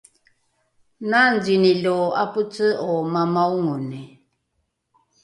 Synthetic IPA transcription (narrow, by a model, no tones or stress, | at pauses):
nand͡ʒiniloaput͡səomamawŋune